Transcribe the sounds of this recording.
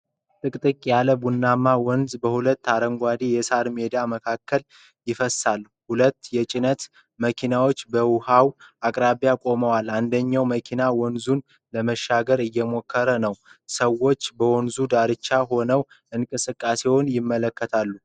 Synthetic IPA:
t̪ʼɨkʼt̪ʼɨkʼjaləbunːamːawɔnzbəhulət̪ːaɾəŋɡʷad̪ijɛsaɾmed̪aməkʰakʰːəl | jɪfəsalː | hulət̪ːjɛt͡ʃʼɪnət̪ | məkʰinawo̞t͡ʃːbəwuhawakʼɾaβjakʼo̞məwalːand̪əɲːawməkʰinawɔnzun | ləməʃːaɡəɾɨjːɛmo̞kːəɾənəwsəwːo̞t͡ʃːbəwɔnzud̪aɾɨt͡ʃːaɦo̞nəw | ɨŋkʼɨsɨkʼːase̞wonjɪmːələkʰːət̪ʰalːu

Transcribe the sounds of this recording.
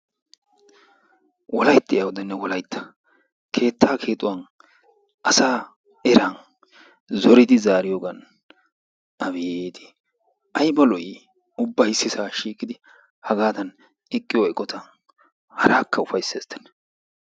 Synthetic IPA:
wɔlɐjt̪ːɪjɐwɔd̪ɛnːɛwɔlɐjt̪ːɐ̥ | kʰe̞ːt̪ʰːaːkʰe̞ːt̪ʼʊwɐn | ʔɐsaː | ɛɾɐn | zɔɾɪd̪ɪzaːɾɪjoɡɐn | ɐβed̪ɪ̥ | ʔɐjbɐlɔʔɪ | ʊbːɐjɪsːɪsaːʃiːkːɪd̪ɪ | hɐɡaːd̪ɐn | ɪkʼːɪjoɪkʼːɔt̪ɐn | hɐɾaːkʰːɐʊfɐjsːeːst̪ːɛ̥n

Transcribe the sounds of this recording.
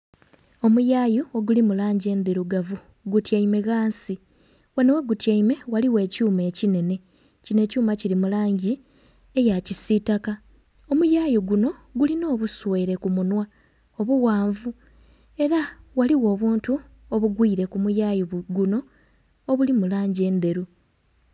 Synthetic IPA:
o̞mujaːjuoɡulimulaːɲɟe̞ːnd̪iɾuɡavu | ɡutjaime̞ɣaːnsi | wenewe̞ɡutjaime̞waliwe̞ːcuːme̞ːcine̞ne̞ | cine̞ːcuːmacilimulaːɲɟi | e̞jacisitaka | o̞mujaːjiɡuno̞ɡulino̞ːβusweːɾe̞kumunwa | o̞βuɣaːɱvu | e̞ɾawaliwo̞ːβuːntu | oβuɡwiːɾe̞kumujajiɡuno̞ː | βulimulaːɲɟe̞ːnde̞ɾu

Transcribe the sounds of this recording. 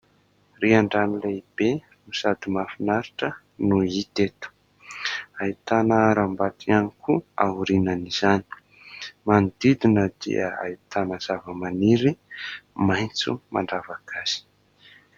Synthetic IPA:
riaɳɖ͡ʐanileib̥e | nusad̪imafinaɾiʈ͡ʂə | nuit̪et̪u̥ | ait̪anəɾambat̪ʰianikuauɾinaniz̥ani̥ | mand̪id̪inəd̪̥ḭə̰a̰it̪anəz̥avəmaniɾimajnt͡sṵma̰ɳɖ͡ʐavakʰaz̥i̥

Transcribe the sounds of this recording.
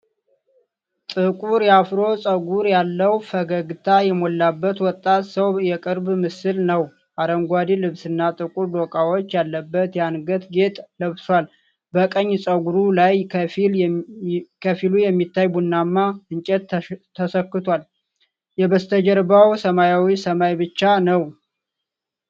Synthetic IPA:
t̪ʼɨkʼuɾjafɾo̞sʼəɡuɾjalːəwfəɡəɡt̪ʰajɛmolːabːət̪wɔt̪ʼːat̪səwjɛkʼɨɾbmɨsɨlnəw | ʔaɾəŋɡʷad̪ilɨβsɨnːat̪ʼɨkʼuɾd̪okʼawot͡ʃːjalːəbːət̪janɡət̪ɡe̞t̪ʼləβswal | bəkʼəɲːsʼəɡuɾulajʰfil | kʰəfilujɛmːit̪ːajbunːamːaɨnt͡ʃʼɛt̪t̪ʰːəsəkːɨt̪ʰwal | jɛbəst̪ʰəd͡ʒəɾbawsəmajawisəmajbɨt͡ʃːanəw

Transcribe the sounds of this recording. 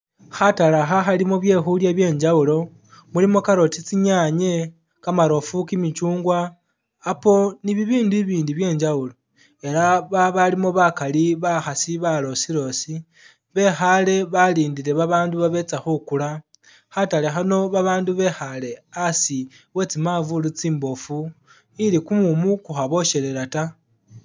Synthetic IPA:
xatalaxaxalimoβje̞xuljaβje̞ːɲd͡ʒaulo̞ | mulimo̞kaɾo̞tit͡siɲaɲe̞ | kamaɾo̞fukimit͡ʃuːŋɡwaː | po̞niβiβiːndiβiːndiβje̞ːɲd͡ʒaulo̞ | e̞laβaβalimo̞βakaliβaxasiβalo̞siɾo̞si | βe̞xale̞βaliːndiɾe̞βaβaːnduβaβe̞t͡saxukula | xatale̞xano̞βaβaːnduβe̞xale̞asi | we̞t͡simavulut͡siːmbo̞fu | ilikumumukuxaβo̞ʃe̞ɾe̞ɾata

